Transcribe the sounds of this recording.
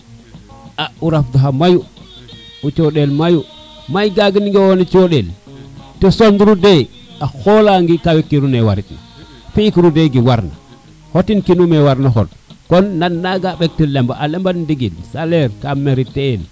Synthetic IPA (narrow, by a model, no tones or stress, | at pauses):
auɾafduɦamaju | ut͡ʃoɗelmaju | majɡaɡiniŋɡewonit͡ʃoɗeltesonduɾude | axolaŋɡikawekːiɾunewaɾitna̰ | fiikɾudeɡiwaɾna̰ | hotinkinumewaɾnoxo̰t̚ | konːanːaɡaɓek̚tilembaʔalembandiɡilsaleɾkameɾitel